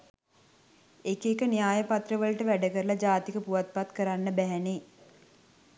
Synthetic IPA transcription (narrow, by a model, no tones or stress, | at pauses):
ekekənijaːjəpat̪rəʋəlʈəʋæɖəkəɾəlad͡ʒaːt̪ikəpuʋat̪̚pat̪kəɾanːəbæɦɛne